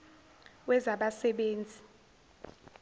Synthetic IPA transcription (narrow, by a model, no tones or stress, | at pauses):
wɛzaɓasɛɓeːnd͡zʱi